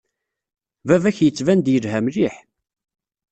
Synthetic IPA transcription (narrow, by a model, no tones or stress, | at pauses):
vævæçjət͡sːvænd̪jəlhæmliħ